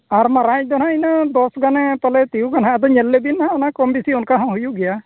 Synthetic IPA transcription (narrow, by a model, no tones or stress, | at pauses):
aɾmaɾajd̪ɔnainad̪ɔsɡanɛpalɛt̪ijuɡanɦaad̪ɔɲɛlːebinaɦanakɔmbisiunkaɦãɦujuɡɛja